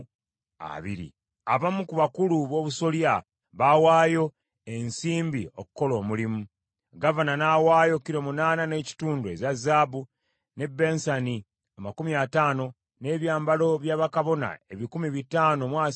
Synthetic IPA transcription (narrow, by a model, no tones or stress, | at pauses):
a̰βḭɾḭ | a̰βamukuβakuluβo̞ːβuso̞lja | βawaːjo̞ | e̞nsiːmbiokuko̞lo̞ːmulimu | ɡavananawaːjo̞kiɾo̞munaːnane̞ːci̥tuːndue̞̰zazaːbu | ne̞bːe̞ːnsani | amakumiataːno̞ | ne̞ːβjaːmbalo̞βjaːβakaβo̞na̰e̞βikumiβitaːno̞mwaː